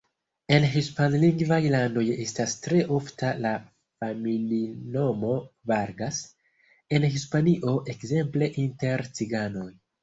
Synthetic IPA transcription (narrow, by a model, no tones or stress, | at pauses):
e̞nɦispanliŋɡvajlando̞je̞stastɾe̞ʔo̞ftala | familino̞mo̞vaɾɡas | e̞nɦispaniʔo̞ʔe̞kze̞mple̞ʔinte̞ɾt͡siɡano̞j